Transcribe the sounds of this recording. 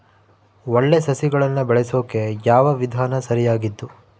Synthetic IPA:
oɭːe̞sɐsiɡɐɭɐnːubɛɭeso̞ːke̞jaːʋɐʋid̪ʱaːnɐsɐɾijaːɡid̪ːu

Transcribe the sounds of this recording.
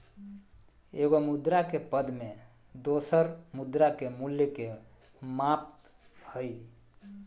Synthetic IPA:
eɡomud̪ɾakepəd̪me | d̪osəɾmud̪ɾakemuljəke | map̚ | həj

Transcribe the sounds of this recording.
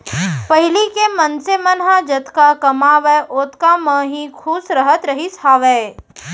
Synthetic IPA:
pəɦɪlikemənsemənɦad͡ʒət̪kakɐmaːʋɛʔoːt̪kamə̃ːɦĩkʰuːsɾəɦət̪ɾəɦisaːʋe

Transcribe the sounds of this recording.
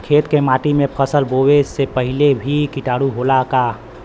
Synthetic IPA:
kʰeːt̪kemaːʈimẽpʰəsəlbowesepəɦɪlebʱikɪʈaːɽuɦolaka

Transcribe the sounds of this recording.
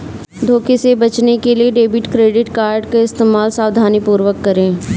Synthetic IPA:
d̪ʱoːkesebɐt͡ʃnekelieɖeːbɪʈkɾeːɖɪʈkaːɾɖkaɪst̪eːmaːlsaːʋd̪ʱaːnipuːɾwəkːɐɾẽː

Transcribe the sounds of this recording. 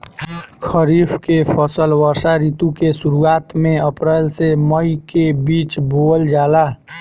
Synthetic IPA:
kʰəɾiːpʰkepʰəsəlwəɾsaɾit̪ukesuɾuaːt̪mẽəpɾɛːlseməjkebiːt͡ʃbold͡ʒaːla

